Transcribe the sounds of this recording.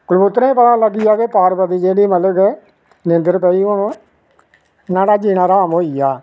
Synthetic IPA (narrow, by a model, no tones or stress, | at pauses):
kʊlbʊt̪ːɾaːĩːpət̪ãːləɡiːjaːkeːpaːɾpəd̪iːd͡ʒeːɽiːmələk | nɪ̃nd̪əɾpɛːiːonõː | naːɽaːd͡ʒiːnãːɾaːmɦoːiːaː